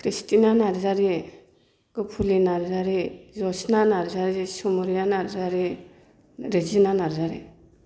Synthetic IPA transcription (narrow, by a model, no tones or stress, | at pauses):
kʰɾistinanaɾzaɾi | ɡ̥ɔpʰulinaɾzaɾizɔsnanaɾzaɾisumuɾianaɾzaɾi | ɾed͡ʒinanaɾzaɾḭ